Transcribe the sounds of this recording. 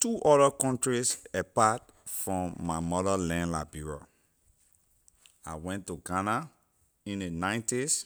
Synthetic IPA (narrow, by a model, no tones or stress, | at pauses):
tuʔɔdəkɔ̃ntɹisɛpat | fɹɔ̃mːaɪmɔðəlɛ̃nla̰biɹo | a̰ɪwɛ̃ntːuɡana | ĩnðenãɪ̃ntis